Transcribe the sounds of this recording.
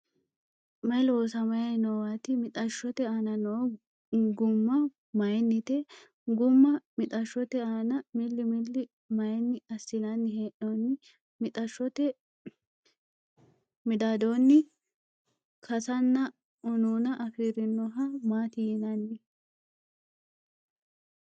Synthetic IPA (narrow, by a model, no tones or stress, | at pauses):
mɐjloːsɐmɐjɐnɔwat̪ɪmɪt̪ʼɐʃːɔt̪ɛaːnɐno | ɡʊmːɐ | mɐjnːɪt̪ɛ | ɡʊmːɐmɪt̪ʼɐʃːɔt̪ɛaːnɐmɪlːɪmɪlːɪ | mɐjnːɪɐsːɪnɐnːɪɦeːʔonːɪ | mɪt̪ʼɐʃːɔt̪ɛ | mɪd̪aːd̪onːɪ | kʰɐsɐnːɐ | ʊnuːnɐʔɐfiːɾɪnːɔɦɐmaːt̪ɪjɪnɐnːɪ